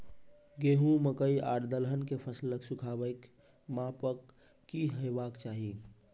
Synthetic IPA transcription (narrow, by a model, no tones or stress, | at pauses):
ɡeɦũməkəiaːɾd̪əlɦənkepʰəsləksukʰabəjk | mapəkː | iɦəjbaːkt͡ʃaːɦi